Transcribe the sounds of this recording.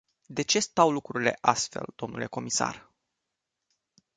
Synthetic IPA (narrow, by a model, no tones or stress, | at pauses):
d̪e̞t͡ʃe̞st̪awlukɾuɾile̞ʔast̪fe̞̰ld̪̥o̞mnṵle̞ko̞misa̰r